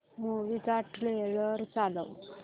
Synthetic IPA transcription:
ɦoʋit͡saʈɾeɭəɾt͡salə̰w

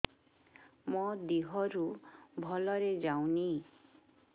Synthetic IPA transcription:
mɔd̪iɦɔɾubʱɔlɔɾed͡ʒaw̃ni

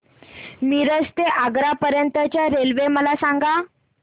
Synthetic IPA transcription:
miːɾəd͡zt̪eʔaɡɾapəɾjənt̪ət͡ɕjaɾelʋeməlasaŋɡa

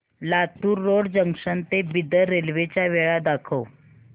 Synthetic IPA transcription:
lat̪uːɾːoɽd͡ʑəŋʂənt̪ebid̪əɾelʋet͡ɕjaʋeɭad̪akʰəw

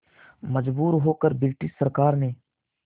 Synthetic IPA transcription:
məd͡ʒbuːɾɦoːkəɾbɪlʈɪsːəɾkaːɾneː

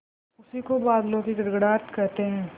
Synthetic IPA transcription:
ʊsikobaːd̪lõkiɡɐɾɡɽaːt̪kɐɾt̪eɦɛ̃ː

